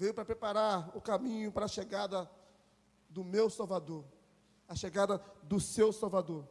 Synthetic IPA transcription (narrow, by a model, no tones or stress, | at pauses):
vejʊpɾɐpɾepaɾaɾʊkamĩɲʊpaɾɐːʃeɡad̪ɐ | d̪ʊmewsawvad̪oɾ | ɐʃeɡad̪ɐd̪ʊsewsawvad̪oɾ